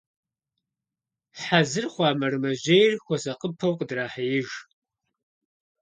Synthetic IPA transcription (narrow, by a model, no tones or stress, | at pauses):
ħazɨrχʷɑːmɐrɨmɐʑejrxʷɔsɐqəpʰɐwqədraːħɐjɪʒ